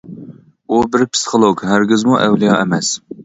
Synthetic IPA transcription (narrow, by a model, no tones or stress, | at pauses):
ubɪɾpʰsi̥χʰolˠoɡʲɦæɾɡʲɪzmuʔɛwlijɑɛmɛs